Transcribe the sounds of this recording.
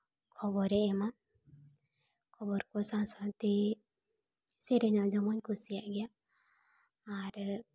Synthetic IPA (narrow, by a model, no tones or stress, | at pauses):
kʰɔbɔɾɛɛma | kʰɔbɔɾkɔsãnsɔt̪e | seɾeɲad͡ʒɔmɔɲkusijaʔɡɛja | ɾ